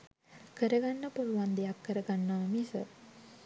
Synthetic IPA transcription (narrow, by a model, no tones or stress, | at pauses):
kəɾəɡanːəpuluʋand̪ejakːəɾəɡanːaːmisə̰